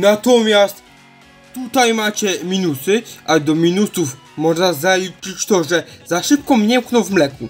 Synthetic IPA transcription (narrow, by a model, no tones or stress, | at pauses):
nat̪ɔmʲjast̪ | t̪ːut̪ajmat͡ɕɛmʲinusɘʔad̪ɔmʲinusuf | mɔʐnazalit͡ʂɘt͡ɕt̪ɔʐɛzaʂɘp̚kɔmɲɛmknɔw̃vmlɛku